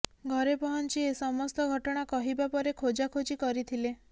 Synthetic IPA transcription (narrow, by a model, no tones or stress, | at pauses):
ɡʱɔɾepɔɦɔnt͡ʃiesɔmɔst̪ɔɡʱɔʈɔɽ̃akɔɦibapɔɾekʰod͡ʒakʰod͡ʒikɔɾit̪ʰile